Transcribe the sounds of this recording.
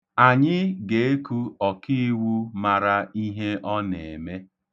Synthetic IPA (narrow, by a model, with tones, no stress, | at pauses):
a˨ɲɪ˦ɡe˨e˦ku˦ɔ˨ki˦wu˦ma˨ɾa˦i˦ɦe˦ʔɔ˦nḛ˨e˨me˦